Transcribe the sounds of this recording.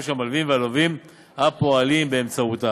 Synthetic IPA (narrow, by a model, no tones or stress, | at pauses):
ʃamalvimvealovim | hapo̞alimbe̞ːmt͡sauta